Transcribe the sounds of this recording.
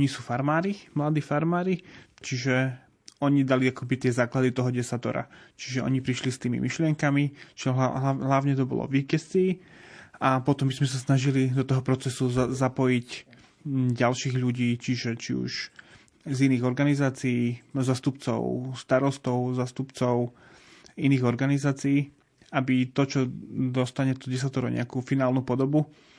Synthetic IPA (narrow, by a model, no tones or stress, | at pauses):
ɔɲisuːfaɾmaːɾimlad̪iːfaɾmaːɾit͡ʃiʒɛ | ɔɲid̪aliakɔbit̪ɪɛzaːklad̪it̪ɔɦɔɟɛsat̪ɔ̰ɾa̰t͡ʃiʒɛɔ̰ɲipɾiʃlist̪iːmḭmiʃlɪɛŋkamit͡ʃiaɦaɦlaʊɲɛt̪ɔbɔ̰lɔ̰vʋiːcɛstiː | apɔt̪ɔmbizmɛsasnaʒilid̪ɔt̪ɔɦɔpɾɔt͡sɛsuzapɔjic | ɟalʃiːɣʎuɟiːt͡ʃiʒɛt͡ʃiṵʃ | ziniːɣɔɾɡanizaːt͡siiːzaːst̪upt͡sɔ̰ʊst̪aɾɔst̪ɔʊzaːst̪upt͡sɔʊ | iniːɣɔɾɡanizaːt͡siː | abit̪ɔt͡ʃɔd̪ɔst̪aɲɛt̪ɔɟɛs̬at̪ɔɾɔ̰ɲɛ̰akufinaːlnupɔd̪ɔbu